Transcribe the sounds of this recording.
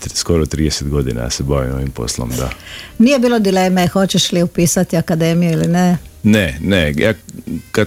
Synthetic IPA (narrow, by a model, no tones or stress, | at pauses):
skoɾot̪ɾiːd̪eset̪̚ɡod̪ina̰sebaʋimoʋimpo̞̰slˠo̰md̪a̰niːjebiːlod̪ileːmexo̞t͡ʃeʃliupiːsat̪iakad̪emijuilineneneja̰ːka